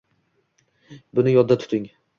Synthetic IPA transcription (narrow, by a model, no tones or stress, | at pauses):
bʊnɪjɒd̪ːat̪ʰt̪ʰɪŋ